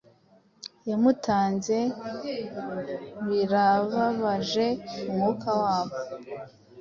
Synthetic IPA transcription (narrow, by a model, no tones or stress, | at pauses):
jamutaːnze̞ | βiɾaβaβaʒe̞umŋukʰawaːβo